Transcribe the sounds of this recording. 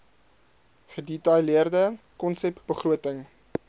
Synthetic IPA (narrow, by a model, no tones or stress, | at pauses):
χədɛtɐjliərdə | kɔnsɛpb̥əχruətəŋ